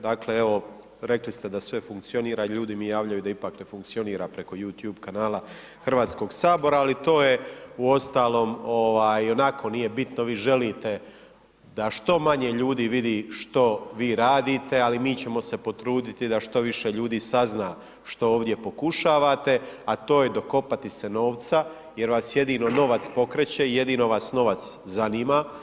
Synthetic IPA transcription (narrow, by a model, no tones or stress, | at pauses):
d̪akle̞eʋo̞ | ɾe̞klist̪e̞d̪asʋe̞fuŋk̚t̪sio̞niːɾaiʎuːd̪imijaːʋʎajud̪aipaːkne̞fuŋk̚t̪sio̞niːɾapɾe̞ko̞juːt̪juːbkanaːlˠa | xr̩ʋaːt̪sko̞ɡsaːbo̞ɾaːlit̪o̞ːje̞uo̞st̪aːlo̞ːmoʋaːjo̞nakʰo̞nije̞bit̪noʋiːʒe̞liːt̪e̞ | d̪aʃt̪o̞maɲe̞ʎuːd̪iːʋid̪iːʃt̪o̞ʋiːɾaːd̪iːt̪e̞alimiːt͡ɕe̞mo̞se̞po̞t̪ɾuːd̪it̪id̪aʃt̪o̞ʋiʃeʎuːd̪iːsaznaː | ʃt̪o̞oːʋd̪je̞po̞kuʃaːʋat̪e̞at̪o̞ːjed̪o̞ko̞pat̪iseno̞ːʋt̪sa | je̞ɾʋaːsje̞d̪iːno̞no̞ʋat̪spo̞kɾet͡ɕeije̞d̪iːno̞ʋaːsno̞ʋat̪szaniːma